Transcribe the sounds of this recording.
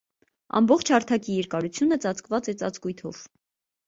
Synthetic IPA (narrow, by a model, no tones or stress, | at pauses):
ɑ̰mbɔχt͡ʃʰhɑɾt̪ʰɑkijɛɾkɑɾut͡sʰjunət͡sɑt͡skvɑt͡sɛt͡sɑt͡skujt̪ʰɔ̰v̥